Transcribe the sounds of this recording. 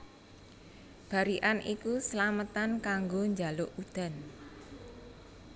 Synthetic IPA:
b̥a̤ɾiʔanʔikusəlamət̪ankaŋɡoɲd͡ʒa̤loʔud̪̥a̤n

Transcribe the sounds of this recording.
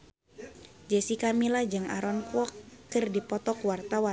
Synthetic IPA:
d͡ʒɛsikamilad͡ʒɨŋaɾɔnkuɔkːɨrdipɔt̪ɔkwart̪awa

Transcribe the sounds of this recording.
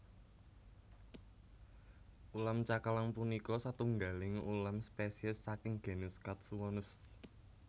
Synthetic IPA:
ʔulamt͡ʃakalaŋpunikɔsat̪uŋɡalɪŋulamspesiəsːakɪŋɡ̥e̤nuskat̪̚suwɔnʊs

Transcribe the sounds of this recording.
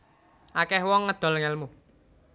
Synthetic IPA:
ʔakɛhwɔŋːəd̪̥ɔ̤lŋɛlmu

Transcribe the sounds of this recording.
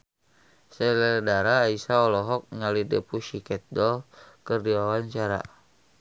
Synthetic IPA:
sɛlɛdaɾaːisaɔlɔɦɔk̚ŋalidɛpuʃikɛt̪̚dɔlkərdiwawaɲt͡ʃaɾa̰

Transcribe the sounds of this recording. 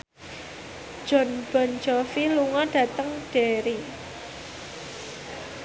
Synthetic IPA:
d̥d͡ʒ̥ɔ̤nb̥ɔ̤nd͡ʒɔfiluŋɔɖ̥ä̤t̪əŋɖ̥eɾi

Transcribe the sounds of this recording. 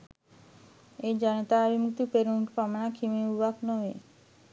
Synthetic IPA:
ed͡ʑanet̪aabʱimuk̚t̪ipeɾuɳʈpamaɳakʰimeubaknoe

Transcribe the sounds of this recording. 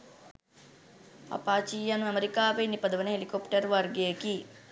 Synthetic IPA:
ɐ̰paːt͡ʃijɐnuɐmɐɾikaːʋejnipɐd̪ɐʋɐnɐɦelikopʈɐɾʋɐrɡeki

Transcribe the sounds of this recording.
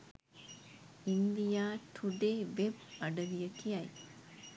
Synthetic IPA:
ind̪ijaːʈʰuɖeːʋeb̚ɐɖəlijəkiɐj

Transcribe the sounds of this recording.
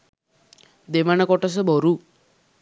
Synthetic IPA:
d̪eʋanakɔʈɔs̬ebʱɔɾu

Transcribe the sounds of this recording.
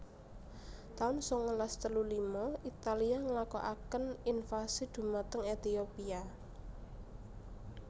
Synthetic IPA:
t̪aʊnsɔŋəlast̪əlulimɔit̪aliaŋəlakɔ̰ʔakəninfasid̪̥ṳmat̪əŋet̪iopia

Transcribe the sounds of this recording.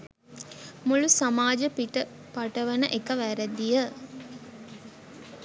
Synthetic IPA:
mulusamaːd͡ʒəpiʈə | paʈəʋənəʔekəʋæɾəd̪ijə

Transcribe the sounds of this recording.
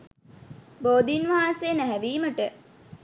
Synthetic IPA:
boːd̪inʋaanseːnæɦæʋiːməʈə

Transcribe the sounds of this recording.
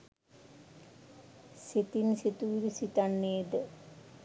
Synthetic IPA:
set̪inset̪uːɾusit̪ɐɳːeːd̪ɨ

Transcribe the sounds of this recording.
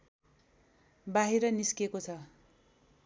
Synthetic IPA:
baɦiɾʌniskekot͡sʰʌ

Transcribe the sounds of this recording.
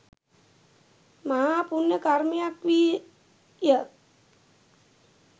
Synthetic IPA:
maɦaːpunjəkaɾmijakʋi | jə

